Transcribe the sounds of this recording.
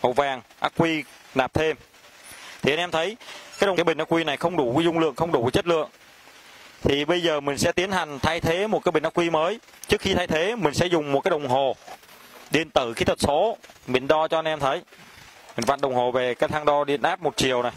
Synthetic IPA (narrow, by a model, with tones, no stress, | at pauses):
ʔə̰˨˧˩wvaː˨˩ŋʔaː˦˥k̚kwi˧naː˨˩p̚t̪ʰe˧m | t̪ʰi˨˩a˧nʔɛ˧mt̪ʰə˨˦jkaː˨˦jɗə˨˩˨jɓï˨˩ŋ̟ʔaː˦˥kwi˧na˨˩jxə˧wŋ͡mɗu˧˩˨zʊ˧wŋ͡mlɨ̰˧˨əŋxə˧wŋ͡mɗu˧˩˨t͡ɕə˦˥t̚lɨ̰˧˨əŋ | t̪ʰi˨˩ɓə˧jzəː˨˩mï˨˩ŋ̟sɛ̰˧˥t̪i˨˦ənha˨˩ŋ̟t̪ʰaː˧jt̪ʰe˨˦mo˨˩t̚kaː˨˦ɓi˨˩ŋ̟ʔa˦˥kwi˧məː˨˦j | t͡ɕɨ˦˥k̚xi˧t̪ʰaː˧jt̪ʰe˨˦mï˨˩ŋ̟sɛ̰˧˥zʊ˨˩ŋ͡mmo˨˩t̚kaː˨˦jɗə˨˩wŋ͡mɦo˨˩ | ɗi˧nt̪ɨ˧˩xi˨˦t̪ʰə˨˩t̚so˨˦ɓï˨˩ŋ̟ɗɔ˧t͡ɕɔ˧ʔa˧nʔɛ˧mt̪ʰə˨˦j | mi˨˩ŋ̟va̰˧˨˩nɗə˨˩wŋ͡mhɦo˨˩ve˨˩kaː˨˦jt̪ʰaː˧ŋɗɔ˧ɗḭ˧˨ənʔaː˦˥p̚mo˨˩t̚t͡ɕi˨˩˨əwna˨˩j